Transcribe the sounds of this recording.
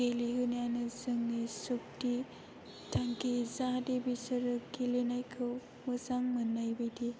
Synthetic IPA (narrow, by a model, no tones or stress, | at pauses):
eliɦɯnijanɯzɯŋːisok̚ti | tʰaŋkizadebisəɾɯkelenajkʰɯw | mɯzaŋmɯnːajbɯjdi